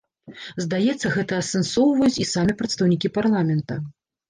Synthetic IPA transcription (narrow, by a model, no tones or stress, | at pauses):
zd̪ajɛt̪sːɐɣɛt̪ɐːsɛnsɔwvɐjut͡sʲisamʲɛpɾɐt̪st̪ɐwnʲikʲiparlˠamʲɛnt̪ɐ